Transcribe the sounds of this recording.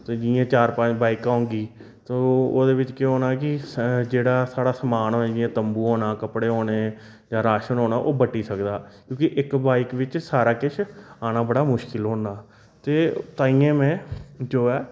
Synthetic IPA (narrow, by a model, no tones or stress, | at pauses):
t̪eːd͡ʒiãːt͡ʃaːɾpə̃t͡ʃbaːɪkãːŋɡiː | t̪ooːd̪eːʋɪt͡ʃkeɦoːnaːkɪd͡ʒeːɽaːsaːɽaːsəmaːnoːd͡ʒɪjãːt̪əmbuːɦoːnaːkəpɽeːɦoːneː | d͡ʒãːɾaːʃənoːnaːʔoːbəʈːiːsəkd̪aːkjõːkɪʔɪkbaːɪkʋɪt͡ʃsaːɾaːkɪʃʰaːnaːbəɽaːmʊʃkɪlɦoːnaː | t̪eːt̪aːiːãːmɛ̃ːd͡ʒoːɛː